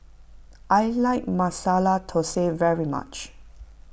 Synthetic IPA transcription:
ʔajlaɪk̚masalatʰosevɛɹima̰t͡ʃ

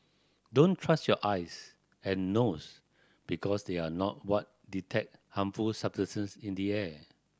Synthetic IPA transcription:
dõntʰɹastjɔʔajs | ɛ̃nːos | b̥ikʰɔsdeanɔt̚wɔt̚ditʰɛk̚hãmfulsabsəsə̃nsĩndiɛ

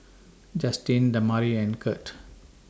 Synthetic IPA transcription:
d͡ʒastĩndəmaɾiɛ̃nkʰət

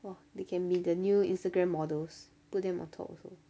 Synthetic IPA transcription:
wɛdekʰɛ̃nbidənjuḭ̃nstəɡɹɛ̃mːɔdəls | put̚dɛ̃mɔ̰̃ntʰɔ̰pɔ̰so

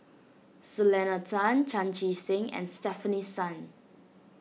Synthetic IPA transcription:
səlɛnatʰãnt͡ʃãnt͡ʃisɪ̃ŋɛ̰̃nstɛfənisãn

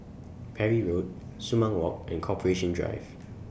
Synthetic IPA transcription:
pʰɛɹiɹot̚sumãŋwɔ̰k̚ʔɛ̃nkʰɔpʰəɹeʃə̃ndɹa̰ɪv

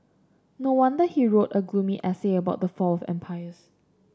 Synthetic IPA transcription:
nowãndəhiɹotəɡlũmiʔɛseəbaʊt̚dəfɔlɔfɛ̰̃mpʰaɪəs

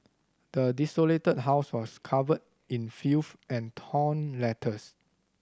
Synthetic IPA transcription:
d̥ədisoletəd̚ɦaʊswɔskʰavəd̚ | ĩnfifʔɛ̃ntʰɔ̃nlɛtʰəs

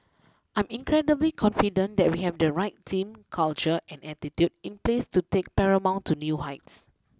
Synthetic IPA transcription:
ʔãjmĩnkɹɛdəblikʰɔ̃nfidə̃ndɛt̚wihɛvdəɹaɪtːʰĩmkʰalt͡ʃəʔɛ̃nɛtitjudĩnplestutek̚pɛɹəmãʊ̃ntʰːunjuɦaɪts

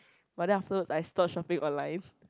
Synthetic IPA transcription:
badɛ̃naftəwəsajstɔt̚ʃɔpɪ̃ŋʔɔ̃nlãɪ̃n

